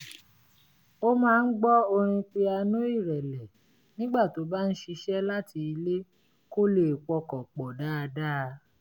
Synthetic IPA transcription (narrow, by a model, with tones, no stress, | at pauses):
o˦mãː˦˧n̩˦ɡ͡bɔ˦o˧ɾ̃ĩ˧k͡pi˧a˧nũ˦i˦˨ɾɛ˨lɛ˨ | nĩ˦ɡ͡ba˦˨to˨˦ba˦n̩˦ʃi˧ʃɛ˦la˦tʰi˧i˧le˦ | ko˦le˨kɔ˧kɔ˨k͡pɔ˨da˦a˧da˦˧